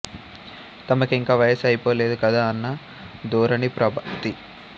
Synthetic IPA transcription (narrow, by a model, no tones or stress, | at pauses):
t̪ɐmɐkiŋkaːʋɐjɐsɐjipoːle̞ːd̪ukɐd̪aːɐnːɐ | d̪uːɾɐɳipɾɐbʱɐt̪i